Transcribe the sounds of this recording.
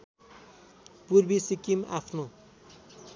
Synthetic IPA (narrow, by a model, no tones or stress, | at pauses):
purbisikima̰pʰno